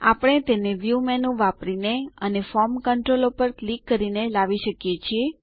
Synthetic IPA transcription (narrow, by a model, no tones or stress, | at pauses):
a̰pɽ̃et̪eneʋjumɛnũʋapɾineənefɔɾmkəɳʈɾolopəɾklikːəɾinelaʋiʃəkjet͡ʃʰie